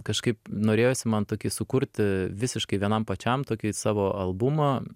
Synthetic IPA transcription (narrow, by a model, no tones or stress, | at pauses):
kɐʃkɐɪpnoːɾʲeːjoːsʲɪmɐnt̪oːkʲɪsʊkʊɾʲt̪ʲʋʲɪsʲɪʃkɐɪʋʲiɛnɐmpɐt͡ʃʲɛmt̪oːkʲɪsɑːʋoːʔɐlˠbʊmɐ